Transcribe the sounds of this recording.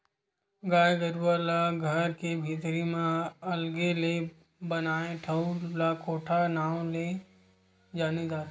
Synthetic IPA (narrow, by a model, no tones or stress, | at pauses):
ɡaːjɡəɾʋalaɡʱəɾkebʱiːt̪ɾimẽɐlɡele | bənaːeʈʰəulakoːʈʰanaːwle | d͡ʒaːnid̪aːt̪